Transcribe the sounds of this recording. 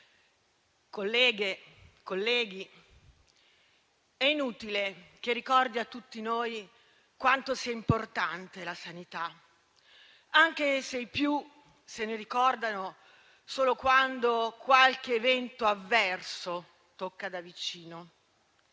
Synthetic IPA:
kolːɛːɡekolːɛːɡi | ɛinuːt̪ilek̟erːikɔrd̪iat̪ːut̪ːinoːj | kwant̪osiɛimport̪ant̪elasanit̪a | aŋk̟esejpju | seneɾikɔrd̪ano | soːlokwand̪okwalk̟eːvɛnt̪oavːɛrso | t̪okːad̪avit͡ʃiːno

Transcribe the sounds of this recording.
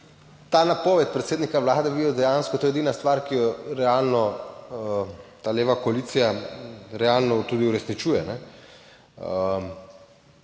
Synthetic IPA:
t̪aːnapoːʋɛt̪̚pɾɛt̪seːd̪nikaʋlaːd̪ɛʋijɔd̪ɛjanskɔt̪oːjɛd̪inast̪ʋaːɾkijɔɾɛalnɔ | t̪aːleːʋakɔaliːt̪sijaɾɛalnɔt̪ud̪iuɾɛsnit͡ʃuːjɛnɛ

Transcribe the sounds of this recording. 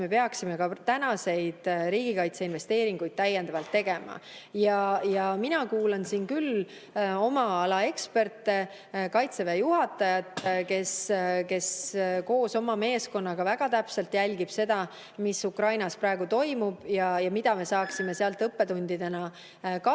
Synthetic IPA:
me̞peɑksime̞kɑt̪ænɑse̞jd̪̥ɾiːɡ̥ikɑjt̪se̞inve̞st̪e̞ːɾiŋɡ̥ujd̪̥̚t̪æjːend̪̥ɑvɑlt̪ːe̞ɡ̥e̞mɑ̰jɑjɑminɑkuːlɑnsiːnkyl | o̞mɑɑlɑe̞kspe̞rt̪ːe̞ | kɑjt̪sevejuɦɑt̪ːˑɑjɑt̪ke̞ske̞sko̞ːso̞mɑme̞ːsko̞nːɑɡ̥ɑvæɡ̥ɑt̪æpselt̪jælʲɡ̥ib̥se̞d̪̥ɑ | misukrɑjnɑsprɑeɡ̥ut̪o̞jmub̥jɑjɑmid̪̥ɑme̞sɑːksime̞seɑlt̪ɤpːe̞t̪unʲd̪̥id̪e̞nɑ | kɑ

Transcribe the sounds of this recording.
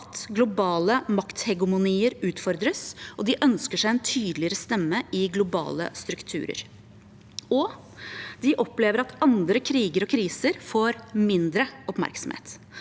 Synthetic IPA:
t̪ɡlʊbɑːləmɑkt̪hɛɡʊmʊniːəɾʉːt̪fɔɾd̪ɾəsʔɔd̪ɪʔœnskəʂæɪɛnt̪ʰyːd̪lɪəɾəst̪ɛmːəɪɡlʊbɑ̰ːlə̰st̪ɾʉkt̪ʰʉ̰ːɾə̰ɾ | ɔ | d̪̥ɪʔɔpleːʋəɾɑt̪ɑnd̪ɾəkʰɾiːɡəɾɔkʰɾiːsəɾfoːɾmɪnd̪ɾəɔpmæ̰ɾksɔm̩hḛːt̪

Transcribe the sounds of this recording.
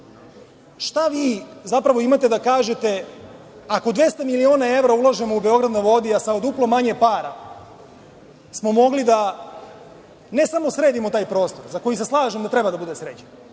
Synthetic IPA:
ʃt̪aʋiːzapɾaʋo̞imat̪e̞d̪akaːʒet̪e̞ | ako̞d̪ʋe̞st̪amilionaevɾaulˠaʒemo̞ube̞o̞ɡɾad̪nojʋo̞d̪iasaod̪uplˠomaɲe̞paːɾa̰ | smo̞mo̞ɡlid̪a | ne̞samo̞sɾe̞ːd̪imo̞t̪aːjpɾo̞ːst̪o̞ɾzako̞jise̞slˠaːʒemd̪at̪ɾebad̪abud̪e̞sɾet͡ɕe̥n

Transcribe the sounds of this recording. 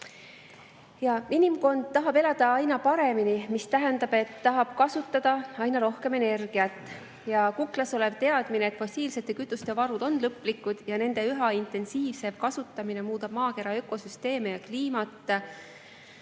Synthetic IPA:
jɑinimko̞nd̪̥̚t̪ɑɦɑbe̞lɑd̪̥ɑɑjnɑpɑɾe̞minimist̪æɦe̞nd̪̥ɑb̥e̞t̪ːɑɦɑb̥kɑsut̪ːˑɑd̪̥ɑɑjnɑɾo̞hke̞me̞ne̞rɡ̥iɑt̪ːˑ | jɑkuklɑso̞le̞v̥t̪e̞ɑd̪̥mineːt̪fo̞sʲiːlse̞t̪ːˑe̞kyt̪ːˑust̪e̞vɑɾud̪̥o̞nːlɤpːˑlikːud̪̥jɑne̞nd̪̥e̞yɦɑint̪ˑe̞nsiːvse̞vkɑsut̪ːˑɑmine̞muːd̪ɑb̥mɑːke̞ɾɑø̞ko̞syst̪e̞ːmejɑkliːmɑt̪ːˑ

